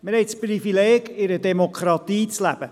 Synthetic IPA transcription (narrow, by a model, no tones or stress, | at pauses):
mɪɾhɛɪtsprifileːɡɪɾədɛmokχɾɑt̪iːt͡slæ̰b̥ə